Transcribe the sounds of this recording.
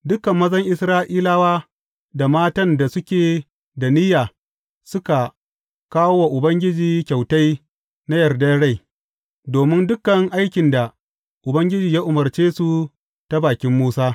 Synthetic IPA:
dʊ˦kɐ˨mːɐ˦zɐ˦ŋʔɪ˦sɾaː˦ʔiː˦laː˦waː˦ | da˨maː˦tɐ˦nda˨sʊ˦kʲeː˨ | da˨nɪ˦jaː˨ | sʊ˦ka˨ | kaː˦wo˦wa˨ʔʊ˨bɐ˦ŋɡʲɪ˦d͡ʒiː˨kʲa˨wta˦j | na˦jɐ˨rda˦ɽa˦˨j | doː˨mɪ˦ndʊ˦kːɐ˨ŋʔa˦jkʲɪ˨nda˨ | ʔʊ˨bɐ˦ŋɡʲɪ˦d͡ʒiː˨jaː˦ʔʊ˨mɐ˨rt͡ʃeː˦su˨ | ta˦baː˨kʲɪ˦mːuː˦saː˦

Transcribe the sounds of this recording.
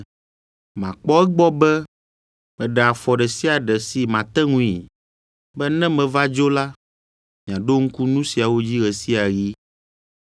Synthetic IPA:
mã˨k͡pɔ˦ɛ˦ɡ͡bɔ˦bɛ˦ | mɛ̃˨ɖɛ˨a˨fɔ˨ɖɛ˨si˦a˨ɖɛ˨si˨mã˨t̪ɛ˦ŋũ˦ḭ˨ | bɛ˦nɛ̃˦mɛ̃˨va˦d͡ʒo˦la˦ | mĩ˨ã˨ɖo˦ŋ̩˦ku˦nũ˦si˨a˨wo˦d͡ʑi˦ɣɛ˨si˦a˨ɣi˦

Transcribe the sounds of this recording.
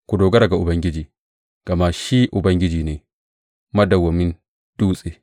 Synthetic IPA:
kʷu˨doː˨ɡɐ˦ɾa˨ɡa˨ʔʊ˨bɐ˦ŋɡʲɪ˦d͡ʒiː˨ | ɡ̥ɐ˨ma˦ʃi˦ʔʊ˨bɐ˦ŋɡʲɪ˦d͡ʒiː˨neː˨ | mɐ˦dɐ˨wɐ˨mɪ˦n | d̥uː˦sʼeː˦

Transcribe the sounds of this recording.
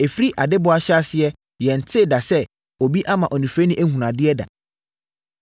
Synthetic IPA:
e˨fi˦ɾi˦ʔa˨dɪ˦bʊ˨˦a˦ɕa˦sɪ˦ɛ˦ | jɛ̃˨n̩˨tʰɪ˦˨da˨sɛ˦ | o˨bi˦ʔa˦mã˨ʔɔ˨nĩ˨fɾe˦nɪ̃˦ʔæ˦hũ˨nã˨dɪ˦ɛ˦da̰˨

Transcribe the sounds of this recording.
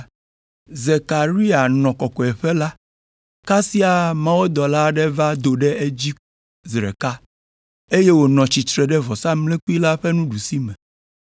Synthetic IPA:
ze˨ka˨ɾi˦a˨nɔ̃˨kɔ˨kɔ˨ɛ˨ɸɛ˦la˦ | ka˦si˦a˨mã˦wo˦d̪ɔ˨la˦ɖɛ˦va˦d̪o˨ɖɛ˦e˦d͡ʑi˦ | zɾɛ̰˨ka˦ | e˦je˦wo˨nɔ̃˨t͡ɕi˨t̪ɾɛ˨ɖɛ˦vɔ˨sa˦mlɛ̃˦ku˦i˦la˦ɸɛ˦nũ˦ɖu˨si˦mɛ̃˨

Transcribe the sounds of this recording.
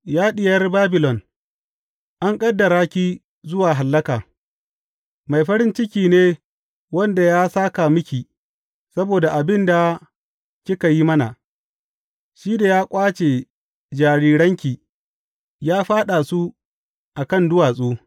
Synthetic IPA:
jaː˦ɗɪ˨jɐ˦rbaː˦bɪ˨lɔ˨n | ʔa˦ŋkʼɐ˦dːɐ˨ɾaː˦kʲi˦ | zʊ˦waː˨ɦa˨lːɐ˦kaː˨ | ma˨jɸɐ˦ɾɪ˦nt͡ʃɪ˦kʲiː˨neː˦ | wɐ˦nda˨jaː˦saː˦ka˨mʊ˦kʲi˨ | sɐ˦boː˨da˨ʔa˨bɪ˦nda˨ | kʲɪ˦ka˨ji˦mɐ˦na˨ | ʃiː˦da˨jaː˦kʷʼaː˦t͡ʃe˨ | d͡ʒaː˨ɽiː˦ɽɐ˦ŋkʲi˨ | jaː˦ɸaː˦ɗa˨su˦ | ʔa˨kɐ˦˨ndʊ˦waː˨sʼoː˦

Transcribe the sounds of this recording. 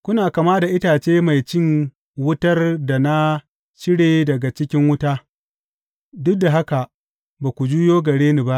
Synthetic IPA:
kʷʊ˦naː˨ka˨maː˦da˨ʔɪ˦taː˨t͡ʃeː˦ma˨jt͡ʃɪ˦ŋ | wʊ˦tɐ˦rda˨na˦ | t͡ʃɪ˦ɽeː˨dɐ˨ɡa˨t͡ʃɪ˦kʲɪ˦ŋwʊ˦taː˦ | dʊ˦k̚da˨ɦa˦ka˨ | baː˨kʷu˨d͡ʒuː˦joː˦ɡɐ˨ɽeː˦niː˨ba˦ʔ

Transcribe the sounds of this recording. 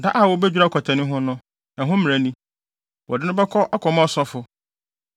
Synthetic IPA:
da˦ʔa˨wɔ˦bɛ˦d͡ʑᶣɾa˦˨kʰɔ˨tʰã˨nʊ̃˦ɦʊ̃˦nʊ̃˦ | nã˨ɦʊ̃˦mɪ̃˨a˨nĩ˦ | wɔ̰˨dɪ˦nʊ̃˦bɛ˦kʰɔ˦ʔa˦kʰɔ˨mɔ̃˦sɔ˦fʊ˨

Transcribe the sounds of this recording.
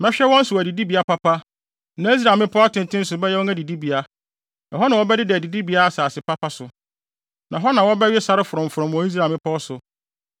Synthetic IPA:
mɛ̃˦ɕᶣɛ˦wɔ̃˦n̩˦sʊ˨wæ˨di˨di˦bi˨a˨pʰa˦pʰa˦ | nã˨˦i˦s̬ɾa˨mɪ̃˦pʰɔ˦a˦tɪ̃˨n˨tʰɪ̃˦n̩˦sʊ˨bɛ˦jɛ˦wɔ˦æ̃˦di˨di˦bi˨a˦ | nã˨ɦɔ˦nã˨wɔ˦bɛ˦dɪ˦dɪ˨æ˨di˨di˦bi˨a˦a˨saː˨sɪ˨pa˦pʰa˦sʊ˨ | nã˨ɦɔ˦nã˨wɔ˦bɛ˦ɥɪ˦sa˦ɾɪ˦fʊ˨ɾɔ̃˨m̩˨fʊ˨ɾɔ̃˨m˨ɔ̃˨˦i˦s̬ɾa˨mɪ̃˦pʰɔ˦sʊ˨

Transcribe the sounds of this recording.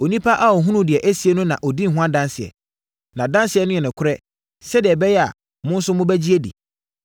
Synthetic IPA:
o˨nĩ˦pʰa˦ʔa˦ɔ˨ɦũ˦nũ˦dɪ˨ɛ˨ʔæ˦si˨e˦nʊ̃˦nã̰˨ʔɔ˨di˦n̩˨ɦʊ̃˦ã˦dã˦nsɪ˨ɛ̰˨ | nã˨dã˦nsɪ˨ɛ˨nʊ̃˦jɛ˨nɪ̃˨kʰʊ˦ɾɛ˦ | sɛ˦dɪ˨ɛ˨bɛ˦jɛ˦a̰˨ | mʊ̃˦n̩˦sʊ˦mʊ̃˦bæ˦d͡ʑi˦e˦dḭ˨

